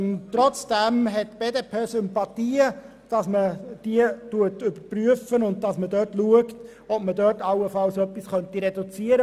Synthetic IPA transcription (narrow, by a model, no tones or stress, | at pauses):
t̪ɾɔt͡sd̥ɛmɦɛtb̥eːdepʰeːsʏmpɑtiːə | d̥ɑsməd̥iətuətʏbəpryəfənʊnd̚dɑsmədœːtluəkt | ɔb̥mədœːtɑwəfɑlsœpːisχœntiɾɛdut͡siəɾə